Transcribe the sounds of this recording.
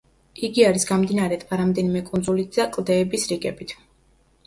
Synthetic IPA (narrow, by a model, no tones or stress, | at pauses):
iɡiaɾisɡamd̪inaɾɛt̪ʰʼbaɾamd̪ɛnimɛkʼunzulit̪ʰz̥akʼlˠd̪ɛːbisɾiɡɛbit̪ʰ